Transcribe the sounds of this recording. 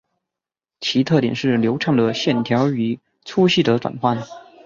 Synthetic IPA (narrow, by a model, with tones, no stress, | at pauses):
t͡ɕʰi˧˥t̪ʰɤ˥˩t̪jɛ̰˨˩nʂɻ̩˥˩ljo˧˥ʊʈ͡ʂʰɑ˥˩ŋd̪ə˩ɕjɛ˥˩nt̪ʰjɑ˧˥ʊy˨˩ | t͡sʰu˥ɕi˥˩d̪ə˦ʈ͡ʂwa̰˨˩nxwa˥˩n